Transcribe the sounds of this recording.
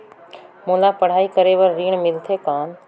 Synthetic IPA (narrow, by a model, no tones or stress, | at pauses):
mulapəɽ̤aːikəɾeʋəɾːiːɳmɪlt̪ʰekaːn